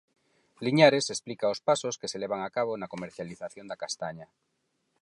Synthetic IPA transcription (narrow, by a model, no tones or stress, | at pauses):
liɲaɾesesplikaospasoskeseleβ̞aŋakaβonakomeɾθjaliθaθjond̪akast̪aɲa